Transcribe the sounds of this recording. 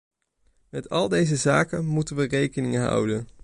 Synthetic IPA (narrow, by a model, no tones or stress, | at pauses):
mɛtʰɑlˠdejzəzaːkənmutənʋərejkənɪŋəɦʌ̰wdən